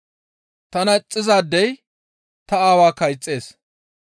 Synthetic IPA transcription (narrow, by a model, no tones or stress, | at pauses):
t̪ɐnɐt͡sʼːɪzaːd̪ːɛj | t̪ɐaːwaːkɐjt͡sʼːe̞ːs